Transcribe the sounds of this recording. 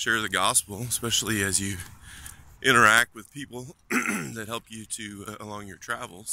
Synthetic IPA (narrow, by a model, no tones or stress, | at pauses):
ʃɛɹðɨɡɑspl̩ˠəspɛʃl̩ˠiɨzjɨ | ʔɪ̃ɾ̃ə˞æk̚t̚wɨð̥pʰipl̩ˠðɨt̚hɛlˠpjɨɾɨə̰lɔ̃ŋjə˞tʰɹ̥ævl̩ˠz̥